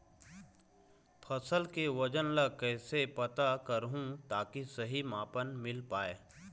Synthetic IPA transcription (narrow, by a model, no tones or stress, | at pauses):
pʰɐsəlkeʋɐd͡ʒənləkɛːsepɐt̪akəɾɦũt̪aːkisɐɦimaːpənmɪlpaːeː